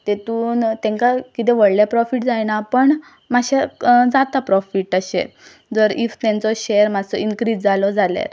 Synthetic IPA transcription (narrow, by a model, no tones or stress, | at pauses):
t̪et̪uːnt̪ɛ̃ŋkakit̪ɛʋəɽljapɾɔfiʈd͡zajnapəɳ | maɕad͡zat̪apɾɔfiʈəɕḛ | d͡zəɾift̪ɛ̃nt͡sɔɕejəɾmad͡zt͡sɔiŋkɾiːd͡zd͡zalɔd͡zalja̰ɾ